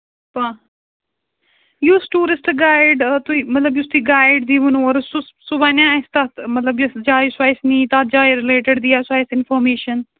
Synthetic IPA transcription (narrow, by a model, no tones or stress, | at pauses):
pa | juːsʈuːɾɪsʈɡaːɪɖt̪uimɐt̪ləbjust̪uːɡaːɪɖd̪iʋunũɔɾsʊssʊbaːnãst̪at̪mɐt̪ləbjusd͡ʒaːiswaːjsnĩːt̪at̪̚d͡ʒaːjɾɪleːʈəɖd̪iːasaːjsɪnfɔːɾmeːʃən